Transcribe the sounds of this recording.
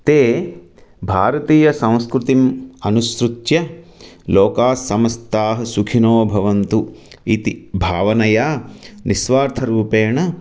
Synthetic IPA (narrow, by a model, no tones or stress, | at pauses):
t̪eː | bʱaːɾɐt̪iːjɐsɐ̃w̃skɾut̪imɐnuskɾut̪jɐloːkaːsːɐmɐst̪aːɦɐ̆sukʰinoːbʱɐʋɐnt̪u | it̪ibʱaːʋɐnɐjaːnʔisʋaːɾt̪ʰɐɾuːpeːɳɐ